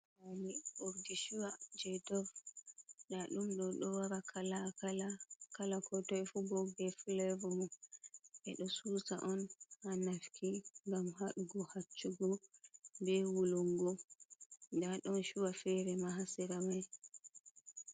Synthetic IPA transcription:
aliʔuɾdiʃuwad͡ʒɛdɔv | ɗaɗumɗɔɗɔwaɾakʰalaaakalakɔtɔɛfubɔɡɛflɛvɔmɔ | ʔɛɗɔsusa̰ʔɔnhanafkiŋɡamhaɗuɡɔhat͡ʃːuɡɔbɛwuluŋɡɔ | daɗɔnʃuwafɛɾɛmaɦasiɾamaj

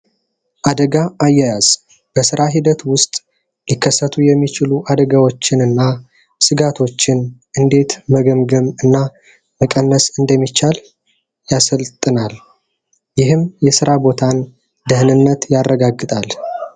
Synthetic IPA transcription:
ʔad̪əɡaajːɛjaz̥ | b̥əsɨɾaɦid̪ət̪wʊst̪ʼ | jɪkʰːəsːət̪ʰujɛmːit͡ʃɪluʔad̪əɡawo̞t͡ʃːɪnɨnːa | sɨɡat̪ʰo̞t͡ʃːɪnʔɨnd̪e̞t̪məɡəmɡəmɨnːa | məkʼənːəsɨnd̪əmːit͡ʃːal | jasəlt̪ʼɨnal | jɪɦɨmjɛsɨɾabo̞t̪ʰan | d̪ɨhnɨnːət̪jarːəɡaɡːɨt̪ʼal

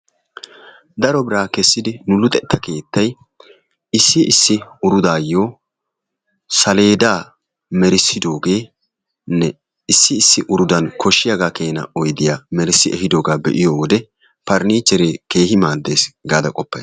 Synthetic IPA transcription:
d̪ɐɾɔbɪɾaːkɛsːɪd̪ɪnʊlʊt̪ʼɛt̪ːɐke̞ːt̪ːɐj | ɪsːɪɪsːɪʊɾʊd̪aːjːo̞ː | sɐle̞ːd̪aː | mɛɾɪsːɪd̪o̞ːɡe̞ː | nɛ | ɪsːɪːsːɪʔʊɾʊd̪ɐnkʰɔʃːɪjaɡaːke̞ːnɐ̰ɔjd̪ɪjaːmɛɾɪsːɪɛhɪd̪oːɡaːbɛ̰ʔɪjoːwɔd̪ɛ | pɐɾniːt͡ʃːɛɾeːke̞ːhɪmaːd̪ːe̞ːsɡaːd̪ɐkʼɔpːɐj

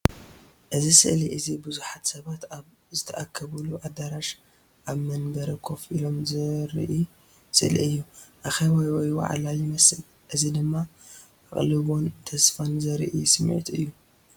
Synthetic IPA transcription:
ʔɨzisɨ̰ʔliʔɨzibɨzuħat̪sɐβat̪aβ | zɨt̪ʰɐʔakʰːɐβuluʔad̪aɾaʃ | ʔaβmɐnbɐɾɐkʰo̞filo̞mzɨɾ̰ʔi | sɨʔliʔɨjːuʔaxɐβajwɔjwa̰ʕ̰lajɪmɐsɨl | ʔɨzid̪ɨmːa | ʔa̰χʼlɨβo̞nt̪ʰɐsfanzɐɾʔisɨmʕḭt̪ɨjːu

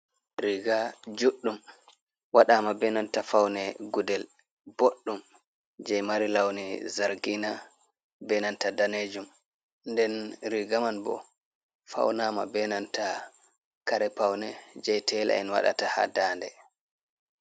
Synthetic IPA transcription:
ɾiɡad͡ʒuɗːum | waɗaːmabɛnantafawnɛɡudɛl | b̥oɗːum | d͡ʒɛjmaɾilawnizaɾɡina | bɛnantadaned͡ʒum | ndɛnɾiɡamanbɔ̰ | fa̰wnama̰bɛnanta | kaɾɛpawnɛd͡ʒɛjtʰɛla̰ɛ̰nwa̰ɗa̰taha̰daːndɛ

